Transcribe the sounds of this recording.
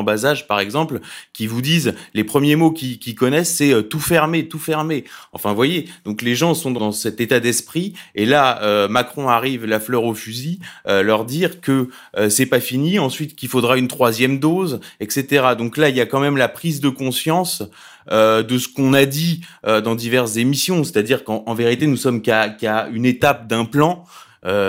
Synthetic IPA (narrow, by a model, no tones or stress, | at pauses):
bazaʒpaʁɛɡzɑ̃plkʲivud̪izlepχəmjemokʲikʲikɔnɛsːɛøt̪ufɛʁmet̪ufɛʁmeɑ̃fɛ̃vwajed̪ɔ̃kleʒɑ̃sɔ̃d̪ɑd̪ɑ̃sɛt̪et̪ad̪ɛspχielaømakχɔ̃aʁivlaflœʁofyziølœʁd̪iʁkəː | sɛpafiniɑ̃sɥit̪kʲilfod̪ʁaynt̪χwazjɛmd̪ozɛkset̪eʁad̪ɔ̃klailjakɑ̃mɛmlapχizd̪əkɔ̃sjɑ̃s | ød̪əsə̥kɔ̃nad̪iød̪ɑ̃d̪ivɛʁszemisjɔ̃se̥t̪ad̪iʁkɑ̃ːveʁit̪enusɔmkakaynet̪ap̚d̪ɛ̃plɑ̃ | ø